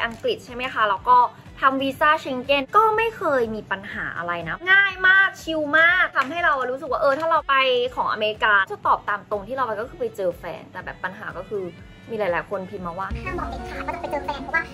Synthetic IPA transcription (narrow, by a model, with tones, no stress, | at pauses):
jʔa˧ŋkli˨˩t̪̚t͡ɕʰa˥˩jma˦˥jkʰa˦˥lɛː˧wkɔː˥˩ | t̪ʰa˧mwiː˧saː˥˩t͡ɕʰi˧ŋke˥˩nkɔː˥˩ma˥˩jkʰɤː˧jmiː˧pa˧nha̰ː˩˦ʔa̰˧ɾa˧jna˦˥ŋaː˥˩jmaː˥˩k̚t͡ɕʰi˧wmaː˥˩k̚t̪ʰa˧mɦa˥˩jɾa˧wɾuː˦˥sɯ˨˩k̚waː˥˩ʔɤː˧t̪ʰaː˥˩ɾa˧wpa˧jkʰɔː˩˦ŋʔa̰˧me˧ɾi˧kaː˧˩t͡ɕa˧˩t̪ɔː˨˩p̚t̪aː˧mt̪o˧ŋt̪ʰi˥˩ɾa˧wpa˧jkɔː˥˩ɯː˧˩pa˧jt͡ɕɤː˧fɛ̰ː˧nt̪ɛː˨˩bɛ̰ː˨˩pːa˧nɦa̰ː˩˦kɔː˥˩kʰɯː˧ | miː˧laː˨˦laː˩˦jkʰo˧npʰi˧t̚maː˧waː˥˩˥aː˥˩ŋbɔ˨˩e˨˧˩kʰaː˥˩kɔ˥˩a˧˩pa˧t͡ɕɤː˧fɛː˧npʰɔ˧˩waː˥˩